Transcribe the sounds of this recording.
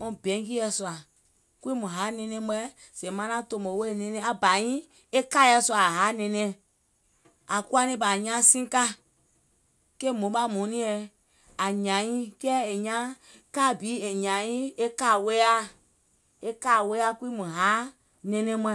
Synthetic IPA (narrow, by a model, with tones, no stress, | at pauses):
mɔ̃˦bɛ̃˨˦ŋ˦k̬i˦ɛ˧swa˨ | kwi˦mũ˨ɦa˨˦nɛ̃˧nɛ̃˦m˦ɛ˦ | sɛ̃˨mã˦nã˦to˧mo˨we˦e˨nɛ̃˧nɛ̃˦a˨ba˨jĩ˦ | e˦ka˦jɛ˧swa˨ɦa˨˦nɛ̃˧nɛ̃˦˨ | a˨ku˦a˦nĩ˦ba˨ɲã˦sĩ˦ka˦ | ke˦˨mõ˨˦ɓa˦mũ˨˦nĩ˦ɛ˧˨ | a˨ɲã˨ɲĩ˦kɛ˦e˨ɲã˦ | ka˦˨bi˨˦e˨ɲã˨jĩ˦e˦ka˦˨we˦a˦ | e˦ka˦˨we˦a˦ki˦mũ˨ɦa˨˦ | nɛ̃˧nɛ̃˦mʷ˦ɛ˦